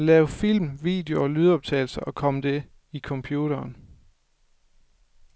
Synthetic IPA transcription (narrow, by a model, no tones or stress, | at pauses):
lɛːʊfil̰mʋḭːd̥e̝oɒ̽lyðˠɒ̽b̥̚t͡sʰɛ̰ːɪl̩sɐʔɒ̽kʰɒ̽məd̥e̝ | ikʰɒ̽mpʰjuːɾ̥ɐːn